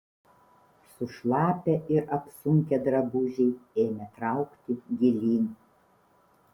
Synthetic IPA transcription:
sʊʃlˠɑːpʲɛʔɪɾʔɐpsʊŋʲkʲɛd̪ɾɐbʊʒʲɛɪeːmʲɛt̪ɾɑʊkt̪ʲɪɡʲɪlʲiːnʲi

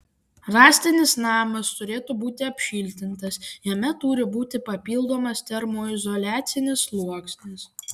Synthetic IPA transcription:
ɾɑːsʲt̪ʲɪnʲɪsnɑːmɐst̪ʊɾʲeːt̪uːbuːt̪ʲɪɐpʲʃʲiːlʲt̪ʲɪnt̪ɐsjɛmʲɛt̪uːɾʲɪbuːt̪ʲɪpɐpʲiːlˠd̪oːmɐst̪ʲɛɾmoːɪzɔlʲæːt̪sʲɪnʲɪslˠuɔksʲnʲɪs

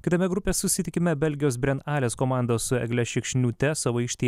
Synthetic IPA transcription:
kʲɪt̪ɐmʲɛɡɾʊpʲeːssʊsʲɪt̪ʲɪkʲɪmʲɛbʲɛlʲɡʲɪjoːsbʲɾʲɛnɑːlʲeːskoːmɑˑnd̪oːsʊɛ̰ɡʲlʲɛʃʲɪkʃʲnʲuːt̪ʲɛsɐʋoɪʃʲt̪ʲiː

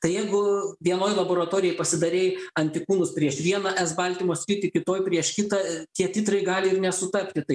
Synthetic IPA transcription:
t̪ɐɪjɛɪɡʊʋʲiɛnoːjlˠɐboːɾɐt̪oːɾʲɪjɛɪpɐsʲɪd̪ɐɾʲeːjɐnʲt̪ʲɪkuːnʊspʲɾʲiɛʃʋʲiɛnɐʔɛzbɐlʲt̪ʲimoːsʲɾʲiːt̪ʲɪkʲɪt̪oːjpʲɾʲiɛʃkʲɪt̪ɐt̪ʲiɛt̪ʲɪt̪ɾɐɪɡɑːlʲɪɪɾnʲɛsʊt̪ɐpʲt̪ʲɪt̪ɐɪ

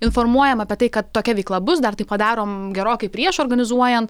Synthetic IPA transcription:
ɪnfoɾmuɔjɛmɐpʲɛt̪ɐɪkɐt̪t̪ːoːkʲɛʋʲɛɪklˠɐbʊs̬d̪ɐɾt̪ɐɪpɐd̪ɑːɾoːmɡʲɛɾoːkʲɐɪpʲɾʲiɛʃoːɾɡɐnʲɪzuɔjɛnt̪

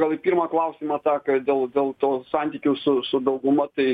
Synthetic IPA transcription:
ɡɐlˠipʲiːɾmɑklˠɐʊsʲiːmɑːt̪ɑːkɐd̪ʲeːlˠd̪ʲeːlˠt̪oːsɑnʲt̪ʲiːkʲuːsʊsʊd̪ɐʊɡʊmɐt̪ɐɪ

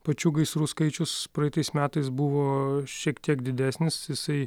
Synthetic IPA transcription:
pɐt͡ʃʲuːɡɐɪsɾuːskɐɪt͡ʃʲʊspɾɐɛɪt̪ɐɪsmʲæːt̪ɐɪs̬bʊʋoːʃʲiɛkt̪ʲiɛkd̪ʲɪd̪ʲæːsʲnʲɪsjɪsɐɪ

